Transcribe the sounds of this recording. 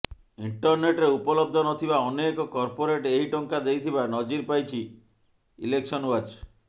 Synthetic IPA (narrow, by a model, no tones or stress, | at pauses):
iɳʈɔɾneʈɾeupɔlɔb̚d̪ʱɔnɔt̪ʰibaɔnekɔkɔɾpoɾeʈeɦiʈɔŋkad̪ejt̪ʰibanɔd͡ʒiɾpajt͡ʃʰi | ḭleksɔnwad͡ʒ